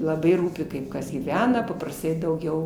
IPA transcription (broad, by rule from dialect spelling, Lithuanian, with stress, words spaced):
lˠɐˈbɐɪ ˈruːpʲɪ ˈkɐɪp ˈkɐs ɡʲiːˈʋʲæːnɐ pɐprɐsˈtɐɪ dɐʊˈɡʲɛʊ